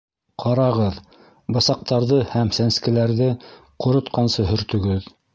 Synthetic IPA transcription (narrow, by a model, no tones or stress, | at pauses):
qʰɑɾɑʁɤð | bɤ̆sɑq̚t̪ɑɾðɤhæmsænskɘ̆læɾðɘqŏɾŏt̪qɑnsɤɦɵ̆ɾt̪ɵ̆ɡɵð